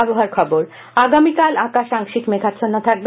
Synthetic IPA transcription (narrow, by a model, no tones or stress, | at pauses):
boɦaɾkʰɔboɾ | aɡamikalãkaʃaŋʃikmekatt͡ɕʰonːot̪ʰak̚be